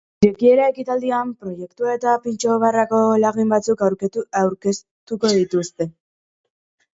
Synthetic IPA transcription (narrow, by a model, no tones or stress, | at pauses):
ɾekie̞ɾae̞kit̪ald̪iampɾo̞je̞kt̪uaet̪apint͡ʃo̞βarako̞laɣimbat͡sukawɾawɾke̞s | t̪uko̞ðit̪ust̪e̞